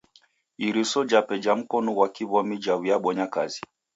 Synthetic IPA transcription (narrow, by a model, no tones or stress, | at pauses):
iɾisɔd͡ʒapɛd͡ʒam̩kɔnuwakiβɔmid͡ʒawijaɓɔɲaka̰zi